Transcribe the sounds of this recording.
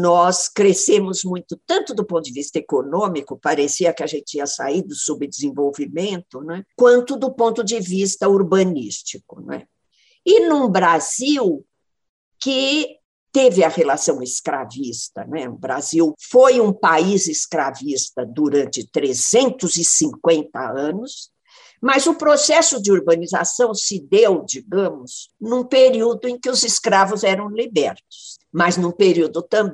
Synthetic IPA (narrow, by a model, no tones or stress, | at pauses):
nɔskɾesẽmʊzmũj̃t̪ʊt̪ɐ̃nt̪ʊd̪ʊpõt̪ʊd͡ʒ̪ɪvist̪ɐekonõmikʊpaɾesiɐkɪɐʒẽnt͡ʃɪiɐsa̰id̪ʊsubɪd̪ɪzẽvowvimẽnt̪ʊnɛkwɐ̃nt̪ʊd̪ʊpõnt̪ʊd͡ʒɪvist̪ɐuɾbɐnist͡ʃikʊ̥nɛ̰ | ɪnũbɾaziw | kɪ | t̪evɪɐhelasɐ̃w̃ɪskɾavist̪ɐ̰nɛʊ̰bɾa̰ziwfojũpaizɪskɾavist̪ɐd̪uɾɐ̃nt͡ʃɪt̪ɾezẽnt̪ʊzɪsĩŋkwẽnt̪ɐ̰ɐ̃nʊs | mɐzʊpɾosɛsʊd͡ʒɪoɾbɐniza̰sɐ̃w̃sɪd̪ewd͡ʒiɡɐ̃mʊz̥nũpeɾiwd̪ʊẽj̃kɪʊzɪskɾavʊzɛɾɐ̃w̃libɛɾt̪ʊ̥s | mɐznũpeɾiwd̪ʊt̪ɐ̃b